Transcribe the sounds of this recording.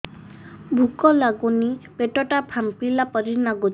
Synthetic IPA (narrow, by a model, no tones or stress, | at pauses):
bʱukɔlaɡunipeʈɔʈapʰampilapɔɾinaɡu